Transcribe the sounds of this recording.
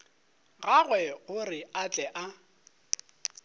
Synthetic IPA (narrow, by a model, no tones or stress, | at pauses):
ɣaɣwɛɣʊrɪat͡ɬʼɛʔa